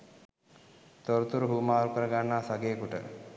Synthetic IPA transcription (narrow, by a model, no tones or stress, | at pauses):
t̪oɾət̪uɾəɦuːmaːɾukəɾəɡanːaːsaɡeːkuʈə̰